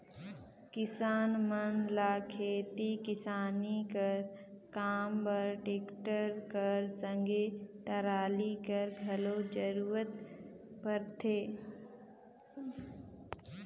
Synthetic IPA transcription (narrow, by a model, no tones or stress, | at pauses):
kɪsaːnmənlaːkʰeːt̪ikɪsaːnikəɾ | kaːmbəɾʈeːkʈəɾkəɾsə̃ŋɡeʈəɾaːlikəɾɡʱɐlod͡ʒəɾuːɾət̪pəɾt̪ʰeː